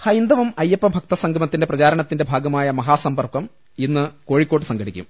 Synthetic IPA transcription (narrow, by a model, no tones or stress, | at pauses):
hɐjnd̪ɐʋɐmɐjːɐpːɐbʱɐk̚t̪ɐsɐŋɡʱɐmɐt̪ːindeprɐt͡ɕaːɾɐɳɐt̪ːinde̞bʱaːɡɐmaːjɐmɐɦaːsɐmbɐrpɐm | inːɨko̞ːɻikʲːo̞ːʈ̬ːɨsɐŋɡɐɽikʲːṵm